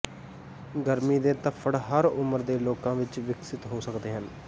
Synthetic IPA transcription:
ɡəɾmiːd̪eːt̪əpʰːəɽɦəɾʊməɾd̪eːloːkãːʋɪt͡ʃʋɪksɪt̪ɦoːsəkd̪eːɦən

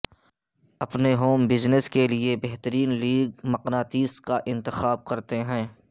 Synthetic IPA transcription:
ɐpneɦoːmbɪznɪskeliebɛɦt̪əɾiːnliːɡ̚mɐqnaːt̪iːskaʔɪ̃nt̪ɪxaːb̚kɐɾt̪eɦɛ̃ː

